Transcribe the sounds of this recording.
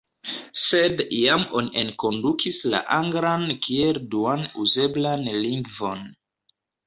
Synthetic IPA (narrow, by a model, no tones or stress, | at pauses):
sedijamo̞niʔenko̞ndukʰisla̰ʔaŋɡɾankielduanuze̞blanliŋɡvo̞̰n